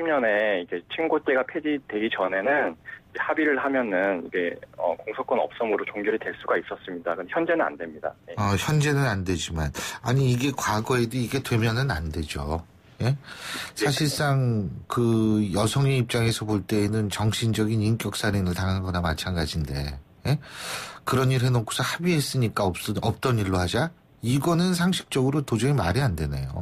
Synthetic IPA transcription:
imɲʌne̞ikʰe̞t͡ɕʰiŋɡot̚k͈eɡapʰed͡ʑidwe̞ɡit͡ɕʌne̞nɯnd͡ʑehabiɾɯɭhamjʌnɯniɡe̞ʌkoŋsʰʌk͈wʌnʌ̰p̚s͈ʌmɯɾot͡ɕoŋɡjʌɾitwe̞ɭs͈uɡais͈ʌs͈ɯmɲidakɯndeçjʌnd͡ʑe̞nɯna̰ndwe̞mɲida̰jeʌçjʌnd͡ʑe̞nɯnandwe̞d͡ʑimanaɲiːɡe̞kwaɡʌe̞dɯiɡe̞twe̞mjʌnɯnande̞d͡ʑo | je̞sʰaɕ̬ʰiɭs͈aŋkɯjʌsʰʌŋeip̚t͡ɕ͈aŋe̞sʰʌpoɭt͈e̞ːnɯnt͡ɕʌŋɕʰind͡ʑʌɡinink͈jʌk̚s͈aɾinɯɭtaŋɦanɡʌnamat͡ɕʰanɡad͡ʑinde̞̰je̞kɯɾʌniɾɦe̞nokʰo̥sʰʌhabiɦes͈ɯɲik͈aʌʌp̚t͈ʌɲiɭːohad͡ʑa | iɡʌnɯnsʰaŋɕʰi̥k̚t͡ɕ͈ʌɡɯɾotod͡ʑʌŋimaɾiandwe̞ne̞̰jo̰

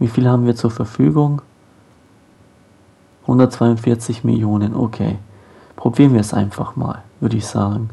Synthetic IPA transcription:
viːfiːlhaːbm̩viːɐt͡suːɐfɛɐfyːɡʊŋ | hʊndɐtt͡sv̥aɪʊntfɪɐt͡sɪçmɪ̰ljoːnənʔo̰kʰḛː | pʁ̥obiːʁənviːɐɛsʔa̰ɪnfaχma̰ːlv̥ʏɐɾəɪçz̥a̰ːɡŋ̩

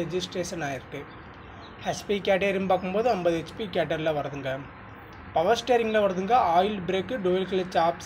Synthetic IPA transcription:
ɛd͡ʒɪsʈɾeːsɐnaːjɪɾʈːɯ | hɐspikaːʈ̬ɐɪɾɪmbaːkːɯmpoːðɯɐmbɐðɯɛt͡ʃːpikaːʈ̬ɐɾlɐʋɐɾɐðɯŋɡɐ | pɐʋɐsʈeːɾɪŋɡɪlɐʋɐɾɐðɯŋɡɐaːjɪlbɾeːkːɯɖuɪlkɐlɐt͡ʃaːps

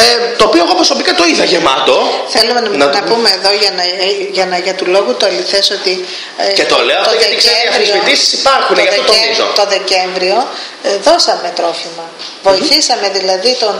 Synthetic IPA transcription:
t̪oːpio̞eɣopɾosopikɐt̪oiðɐʝe̞mɐt̪o̞θe̞lumenɐnɐnɐpume̞ːðo̞ʝɐnɐʝɐnɐʝɐt̪ulo̞ɣut̪uɐliθe̞so̞t̪i | et̪oleot̪ooʝɐeikseefvɾisoid̪isi̥sipɐɾxuneʝɐfðt̪ot̪oiso̰t̪o̞ðe̞ce̞ɱvɾio̞ | ðo̞sɐme̞t̪ɾo̞fimɐvo̞iθisɐme̞ðilɐðit̪o̞n

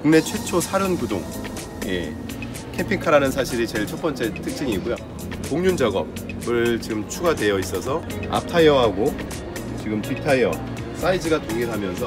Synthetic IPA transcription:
kuŋne̞t͡ɕʰwe̞t͡ɕʰosʰaɾɯnkudoŋ | je̞̰ | kʰe̞pʰikʰaɾanɯnsʰaɕʰiɾit͡ɕe̞ɭt͡ɕʰʌp͈ʌnt͡ɕ͈e̞tʰɯk̚t͡ɕ͈iɲiɡujo | poŋɲund͡ʑaɡʌp̚ | bɯɭt͡ɕiɡɯmt͡ɕʰuɡadwe̞jʌis͈ʌsʰʌa̰p̚tʰajʌɦaɡo | t͡ɕiɡɯmpitʰajʌ | s͈aid͡ʑɯɡatoɡiɭɦamjʌnsʰʌ

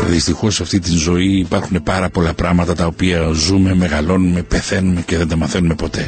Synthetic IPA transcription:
ðist̪ixo̞sːɐft̪it̪inzo̞iːpɐɾxune̞pɐɾɐpo̞lɐpɾɐɣmɐt̪ɐt̪ɐo̞piɐzume̞me̞ɣɐlo̞nume̞pe̞θe̞nume̞ceðend̪ɐmɐθe̞nume̞po̞t̪e̞

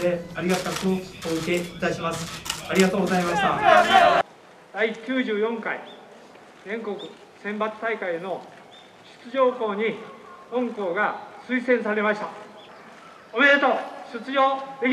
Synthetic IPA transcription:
eaɾʲiɡat̪ako̥oikeit̪aɕimasɨ̥aɾʲiɡat̪oːɡozaimaɕi̥t̪a | d̪̥aikʲɨːʑɨːjõ̞ŋkai | d͡zẽ̞ŋko̞kɯ̟ | sẽ̞mbat͡sɨ̥t̪aikaieno̞ | ɕɨ̥t͡sɨʑo̞ːko̞ːɲ̟iõ̞ŋko̞ːɡasɨisẽ̞ɰ̃saɾe̞maɕi̥t̪a | omed̪et̪oɕɨt͡sɨʑo̞ːd̪e̞kʲ

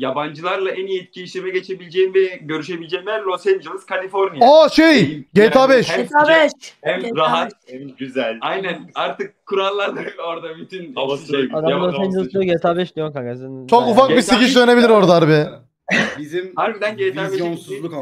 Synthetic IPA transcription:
jaband͡ʒɯlˠaɾlˠaɛnijɛt̪̚cʰiːʃemɛɟet͡ʃʰebilʲd͡ʒeimvɛɟøɾyʃ̬ebilʲd͡ʒɛimɛɾlʲosend͡ʒɯlˠɯz̥kʰalʲifoɾnijaaʃejɟejt̪ʰabɛʃt̪abɛʃhɛmɾaɦayzælʲajnænaɾt̪ʰɯk̚kʰːuɾanˠlːˠaɾd̪ɯoɾd̪abyt̪ʰynad̪amlˠosɛnd͡ʒɯlˠsd̪ijoɟet̪ʰabɛʃd̪ijokaɡazɯnt͡ʃʰokufakbisiciʃd̪ø̞ne̞bilʲiɾo̞ɾd̪aaɾbi | bizimhaɾbid̪ænɟet̪abeonsuilˠuk

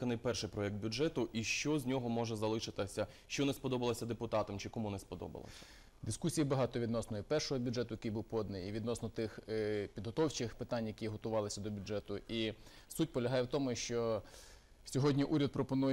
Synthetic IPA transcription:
kɐnɪjpɛrʃɪjpɾɔjɛkt̪̚bʲud͡ʒɛt̪ʊʔiʃt͡ʃɔzʲnʲɔɦɔmɔʒɛzɐlˠɪʃɪt̪ɪsʲɐ | ʃt͡ʃɔnespɔd̪ɔbɐlˠɐsʲɐd̪epʊt̪ɑt̪ɐmt͡ʃɪkɔmunɛspɔd̪ɔ̰bɐ̰lˠɐ̰sʲɐ̥ | d̪ɪskusʲijibɐɦɑt̪ɔʋʲid̪nɔsnɔjipɛrʃɔɦɔbʲudʒɛt̪ʊjɐkɪjbuwpɔd̪nɪjiʋʲid̪nɔsnɔt̪ɪxpʲid̪ɦɔt̪ɔwt͡ʃɪxpɪt̪ɑnʲjɐkʲiɦɔt̪ʊʋɑlˠɪsʲɐd̪ɔbʲʊdɛt̪ʊi | sutʲpɔlʲɐɦɑjɛwt̪ɔmʊʃt͡ʃɔ | sʲɔɦɔdʲnʲiʔuɾʲɐd̪̚pɾɔpɔnuj

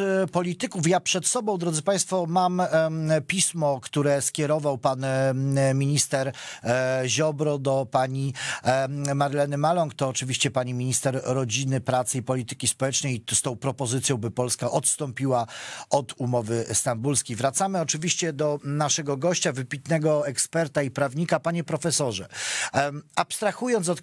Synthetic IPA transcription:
pɔlʲit̪ɘkufjapʂɛt̪sɔbɔ̃w̃d̪ɾɔd̪zɘpaj̃st̪fɔmampʲismɔkt̪uɾɛskʲɛɾɔvawpanmʲiɲist̪ɛɾ | ʑɔbɾɔd̪ɔpaɲi | maɾlɛnɘmalɔŋkt̪ɔːt͡ʂɘvʲiɕt͡ɕɛpaɲimʲiɲist̪ɛɾːɔd͡ʑinɘpɾat̪sɘipɔlʲit̪ɘ̥kʲispɔwɛt͡ʂnɛjst̪ɔ̃w̃pɾɔpɔzɘt̪sjɔ̃w̃bɘpɔlskaʔɔt̪st̪ɔmpʲiwaɔd̪umɔvɘst̪ambulskʲejvɾat̪samɘɔt͡ʂɘvʲiɕt͡ɕɛd̪ɔnaʂɛɡɔɡɔɕt͡ɕavɘpʲit̪nɛɡɔɛkspɛɾt̪aipɾavɲikapaɲɛpɾɔfɛsɔʐɛ | apst̪ɾaxujɔns̬ɔt̪

